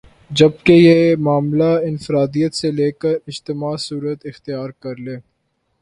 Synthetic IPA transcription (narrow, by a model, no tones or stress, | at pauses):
d͡ʒɐb̚kejemaːmlaɪnfɪɾaːd̪ijət̪seleːkəɾɪd͡ʒt̪ɪmaːsuːɾət̪ɪxt̪ɪjaːɾkɐɾleː